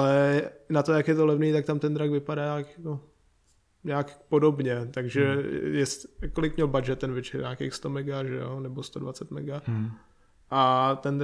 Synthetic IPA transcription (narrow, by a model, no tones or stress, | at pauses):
ʔalɛnat̪ojakjɛt̪olɛvniːt̪ak̚t̪amt̪ɛnd̪ɾaɡvɪpadaakjɛko | ɲaːkpodobɲɛt̪aɡʒɛjɛskolɪkmɲɛlbad͡ʒɛt̪ːɛnvɪt͡ʃɛɾɲaːkeːxst̪omɛɡaʒɛ̰jonɛbost̪odvat͡sɛt̪mɛ̰ɡa | ʔat̪ɛnd̪